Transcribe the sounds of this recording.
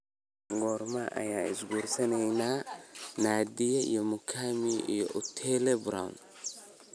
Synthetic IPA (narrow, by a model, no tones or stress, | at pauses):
ɡɔːrmɐʔɐ̰jaːɪsɡuːrsɐnɛjnaːnaːd̪ijɐḭjɔmʊkʰamiʔḭjɔʔut̪ʰɛlɛbɾa̰w̰n